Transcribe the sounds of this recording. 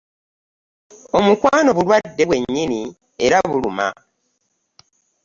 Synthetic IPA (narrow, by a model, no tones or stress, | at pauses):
o̞mukwaːno̞βulwadːe̞βwe̞ɲːini | e̞ɾaβuluma̰